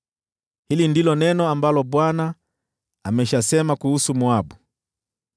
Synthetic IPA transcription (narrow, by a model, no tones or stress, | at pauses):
hilindilɔnɛnɔambalɔɓwana | amɛʃasɛmakuhusumuabu